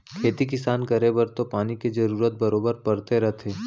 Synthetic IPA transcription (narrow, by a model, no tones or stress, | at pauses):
kʰeːt̪ikɪsaːnkɐɾebəɾt̪opaːniked͡ʒɐɾuːɾət̪̚bɐɾoːbəɾpɐɾt̪eɾɐɦt̪ʰeː